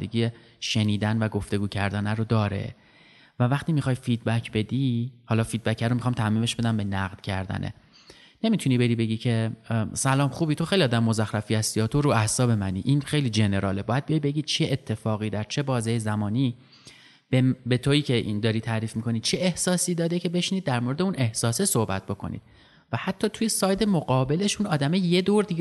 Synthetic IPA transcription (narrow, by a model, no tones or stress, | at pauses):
eɡiːe | ʃe̞niːd̪ænvæɡo̞ft̪e̞ɡuːcʰæɾd̪ænæɾod̪ɒːɾḛ | vævæχt̪iːmixɒːjfid̪̚bæcʰbe̞d̪ihɒːlɒːfiːd̪̚bæcʰæɾomixɒːmt̪ʰæmiːme̞ʃbe̞d̪æmbe̞næɣd̪̥cʰæɾd̪æ̰nʔḛ | ne̞mit̪ʰuniːbe̞ɾiːbe̞ɟiːcʰe̞sælɒːmxuːbiːt̪ʰo̞xejliɒːd̪æmemo̞zæxɾæfiːæst̪iɒːt̪ʰo̞ɾuæhsɒːbe̞mænḭːʔinxe̞jliːd͡ʒe̞ne̞ɾɒːlebɒːjæd̪̚bijejbe̞ɡiːd̪̚t͡ʃʰeʔet̪ʰːe̞fɒːɣiːd̪æɾt͡ʃʰe̞bɒːzejezæmɒːniː | bebet̪ʰoiːcʰe̞ʔḭnd̪ɒːɾiːt̪ʰæɾiːfmikʰo̞niːt͡ʃʰeehsɒːsiːd̪ɒːd̪e̞cʰe̞be̞ʃniːd̪̚ːæɾmo̞ɾe̞d̪euːne̞hsɒːsesohbæt̪̚bo̞kʰo̞̰nḭːd̪̥ | væhæt̪ʰːɒːt̪ʰuje̞sɒːjd̪e̞moɣɒːbe̞le̞ʃunɒːd̪æmejed̪oːɾd̪i